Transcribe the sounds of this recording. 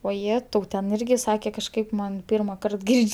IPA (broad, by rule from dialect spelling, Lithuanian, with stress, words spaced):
oːˈjæːtɐʊ tʲɛn ˈɪrʲɡʲɪ ˈsɑːkʲeː kɐʃˈkɐɪp ˈmɐn ˈpʲiːrmɐˌkɐrt ˈɡʲɪrʲt͡ʃʲ